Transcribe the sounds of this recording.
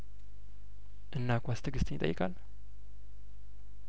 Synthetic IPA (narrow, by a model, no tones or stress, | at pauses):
ʔɨnːakʷast̪ʰɨɡɨst̪nɪt̪ʼə̰jːɪkʼa̰l